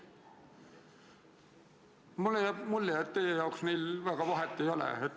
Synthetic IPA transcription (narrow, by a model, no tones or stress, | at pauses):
mulːejɑmulːeɑt̪t̪ejejɑˑuksniːlʋæɡ̥ɑʋɑɦet̪ːejolḛet̪